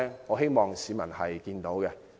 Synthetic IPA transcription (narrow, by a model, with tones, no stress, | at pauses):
ŋɔː˨˧ɦe˥jmɔː˨˩ŋsiː˨˥mɐ˨˩nhɐ˨jkiː˧nt̪o˨˥wkɛ˧